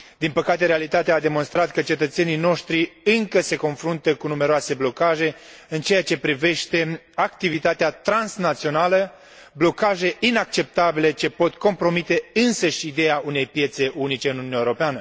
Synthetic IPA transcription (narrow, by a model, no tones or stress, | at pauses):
d̪inpəkat̪e̞ɾealit̪at̪eaːd̪e̞mo̞nst̪ɾat̪kət͡ʃe̞t̪ət̪se̞nijno̞ʃt̪ɾiɨŋkəse̞ko̞nfɾunt̪əkunume̞ɾoase̞blo̞kaʒe̞ | ɨnt͡ʃe̞jat͡ʃe̞pɾive̞ʃt̪e̞ | akt̪ivit̪at̪eat̪ɾansnat̪sio̞nalə | blo̞kaʒe̞ʔinak̚t͡ʃe̞p̚t̪abile̞t͡ʃe̞po̞t̪ko̞mpɾo̞mit̪e̞ɨnsəʃʲid̪e̞jaune̞jpje̞t̪se̞ʔunit͡ʃe̞ɨnununjaewoɾopeanə